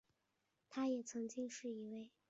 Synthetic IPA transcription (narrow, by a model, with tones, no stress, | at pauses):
t̪ʰa˥jɛ˨˩t͡sʰɤ˧˥ŋt͡ɕi˥ŋʂɻ̩˥˩i˧˥we˥˩ɪ